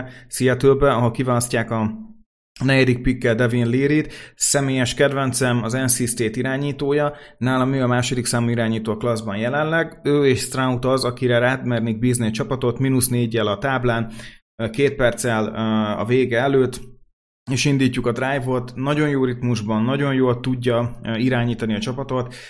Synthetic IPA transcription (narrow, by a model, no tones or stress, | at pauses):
sijɛt̪øːbɛɒɦo̞lkivaːlɒscːaːkɒ | nɛɟɛd̪ik̚pikːɛld̪ɛvinliːɾit̪sɛmeːjɛʃkɛd̪vɛnt̪sɛmɒzɛnsist̪eːt̪iɾaːɲiːt̪oːjɒnaːlɒmøːɒmaːʃo̞d̪iksaːmuiɾaːɲiːt̪oːklɒzbɒnjɛlɛnlɛɡøːeːʃst̪raut̪ɒzɒkiɾɛɾaːt̪mɛrniɡ̚biːzniɒt͡ʃɒpɒt̪o̞t̪minusneːɟːɛlɒt̪aːblaːn | keːt̪̚pɛrt̪sɛlɒ̰veːɡɛɛløːt̪ː | eːʃind̪iːcːukɒd̪raːjvo̞t̪nɒɟo̞njoːrit̪muʒbɒnːɒɟo̞njoːlt̪uɟːɒiɾaːɲiːt̪ɒniɒt͡ʃɒpɒt̪o̞t̪